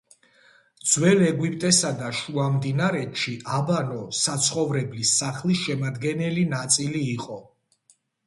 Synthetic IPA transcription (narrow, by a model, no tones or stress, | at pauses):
d̪z̥wɛlɛɡwipʼt̪ʼɛsad̪aʃuamd̪inaɾɛt̪ʃiʔabanɔsat̪sʰχɔvɾɛblisaχlisʃɛmad̪ɡɛnɛlinat̪sʼiliːqʼɔ